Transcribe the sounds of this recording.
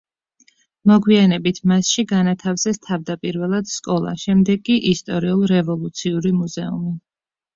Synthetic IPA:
mɔɡwianɛbit̪ʰmasʃiɡanat̪ʰafzɛst̪ʰavd̪apʼiɾvɛlˠad̪̥skʼɔlˠa̰ʃɛmd̪ɛɡʼːiʔist̪ʼɔɾiulˠɾɛvɔlˠut̪sʰiuɾimuzɛumi

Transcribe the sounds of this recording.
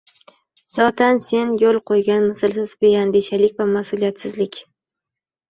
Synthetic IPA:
z̥ɒt̪ʰanse̞njolˠqʰojɡʲanmɪsɪlˠsɪzbejanbeʃalɪk̚ʲvamasʊlijat̪sɪzlɪkʲ

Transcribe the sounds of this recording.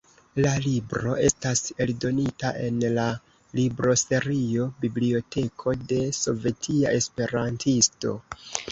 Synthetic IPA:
lalibɾo̞̰ʔe̞stase̞ldo̞nitaʔe̞nla | libɾo̞se̞ɾio̞biblio̞tʰe̞kʰo̞de̞so̞ve̞tʰiae̞spe̞ɾantʰisto̞̰

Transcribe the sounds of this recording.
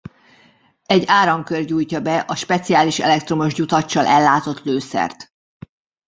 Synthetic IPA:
ɛɟːaːɾɒŋkørɟuːjcɒbɛʔɒʃpɛt̪sijaːliʃɛ̰lɛk̚t̪ro̞moʒɟut̪ɒt͡ʃːɒlʔɛlːaːt̪o̞t̪løːsɛ̰rt̪

